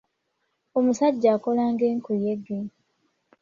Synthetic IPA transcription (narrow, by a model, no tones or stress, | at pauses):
omusaɟːaːko̞laːŋɡeːŋkujeɡe